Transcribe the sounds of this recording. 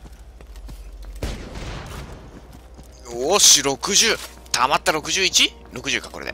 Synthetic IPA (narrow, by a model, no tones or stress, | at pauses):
oɕiɾo̞kɯ̟ʑɨː | t̪ʰamat̪ːaɾo̞kɯ̟ʑɨːit͡ɕi | ɾo̞kɯ̟ʑɨːkḁkoɾed̪ḛ